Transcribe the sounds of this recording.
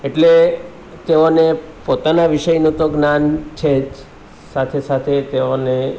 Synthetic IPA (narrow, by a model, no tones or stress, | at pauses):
eʈle | t̪eonepot̪anaʋiʃəjnũt̪oɡnant͡ʃʰed͡ʒ | sat̪ʰesat̪ʰet̪eone